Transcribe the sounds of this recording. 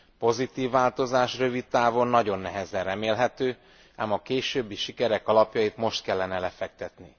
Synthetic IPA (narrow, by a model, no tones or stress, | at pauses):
po̞zit̪iːvːaːlt̪o̞zaːʃrø̞vit̪ːaːvo̞nːɒɟo̞nːɛɦɛzɛnrɛmeːlɦɛt̪øː | aːmɒkeːʃøːbːiʃikɛɾɛkɒlɒpjɒjit̪mo̞ʃt̪̚kɛlːɛnɛlɛfɛk̚t̪ɛt̪ni